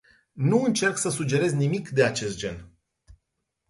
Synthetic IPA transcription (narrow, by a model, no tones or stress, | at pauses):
nuɨnt͡ʃe̞rksəsud͡ʒe̞ɾe̞zʲnimikd̪e̞at͡ʃe̞st̪̚d͡ʒe̞̰n